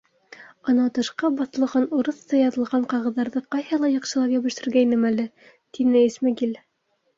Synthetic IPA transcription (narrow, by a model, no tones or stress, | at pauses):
ɑ̆nɑt̪ɤ̆ʃqɑbɑθɤ̆lˠʁɑnuɾɤ̆θt̪ɑjɑðɤ̆lˠʁɑɴqɑʁɤ̆ðːɑɾðɤqɑjhɤlˠɑjɑ̆qʃɤ̆lˠɑpjæβɘ̆ʃt̪ɘ̆ɾɡæjnɘmælɘ | t̪inɘismæɡil